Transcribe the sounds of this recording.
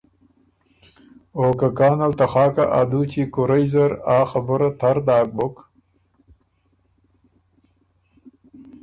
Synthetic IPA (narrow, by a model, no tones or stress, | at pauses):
oːkakɑːnalt̪axɑːkaʔa̰d̪ut͡ɕikʊɾajzaɾɑːxabʊɾat̪ʰaɾd̪ɑːk̚bʊk